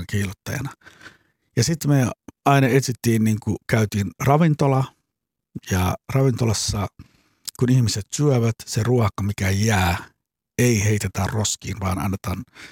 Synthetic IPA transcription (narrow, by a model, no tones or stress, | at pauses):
kiːlot̪ːɑjɑ̰nɑ | jɑsit̪meɑinɑet̪sit̪ːiːnniːŋkukæyt̪iːnrɑʋint̪olɑ | jɑrɑʋint̪olɑsːɑ | kunihmiset̪syæʋæt̪seruɑkɑmikæjæː | eiheit̪et̪ærroskiːnʋɑ̰ːnɑ̰nːet̪ɑn